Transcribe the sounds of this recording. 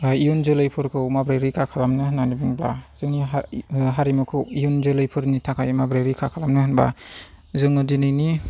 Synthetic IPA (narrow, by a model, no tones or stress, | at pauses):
ijunzɯlɯjpʰɯɾkʰɯwmabɾajɾikʰakʰalamnɯhnanibɯŋbla̰z̥ɯŋni | ɦaɾimɯkʰɯwijunzɯlɯjpʰɯɾnitʰakʰajmabɾajɾikʰakʰalamnɯhɯnba̰ | zɯŋɯdinɯjni